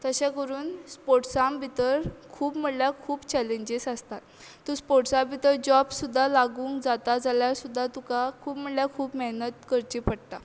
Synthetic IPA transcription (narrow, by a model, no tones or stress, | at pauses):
t̪əɕɛ̃kəɾuːnspoɾʈsãmbit̪əɾkʰuːpm̤əɽljakʰuːbt͡ɕɛlẽɲd͡ʑesəst̪at̪ː | uspoɾʈsãmbit̪əɾd͡ʑɔbsud̪ʱːalaɡũːŋkd͡zat̪ad͡zaljaɾsud̪ʱːat̪ukakʰuːpm̤əɽljakʰuːpməɦnət̪kəɾt͡ɕipəɽt̪a